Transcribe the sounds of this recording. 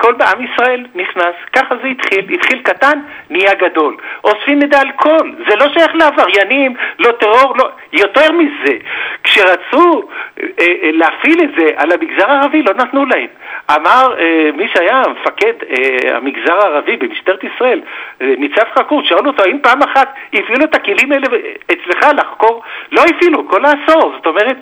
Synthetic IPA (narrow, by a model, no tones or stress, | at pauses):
kʰo̞lbeamisʁae̞lniχnaskaχazeit̪χilit̪χilkat̪anːiaɡad̪o̞lʔo̞sfimed̪aːlkʰo̞lze̞lo̞ʃajaχleavaʁjanimlo̞t̪eʁo̞ʁlo | jo̞t̪e̞ʁmizekʃe̞ʁat͡su | eleafiletze̞ʔalamiɡzaʁaːʁavilo̞nat̪nulaemamaʁemiʃeajamefake̞d̪ea̰miɡzaʁaːʁavibeniʃt̪eʁet̪isʁae̞lnit͡safχakuʁʃaaluot̪oaimpaːmaχat̪ifiluet̪akelimeleet͡sle̞χalaχko̞ʁlo̞ifilukolaːso̞ʁzo̞t̪o̞me̞ʁet̪